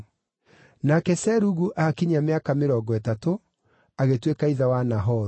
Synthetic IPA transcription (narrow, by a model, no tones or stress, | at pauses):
nakɛsɛɾuɣuʔakiɲameakameɾɔːɡɔɛtato | aɣetwekaiðawanaɦɔɾ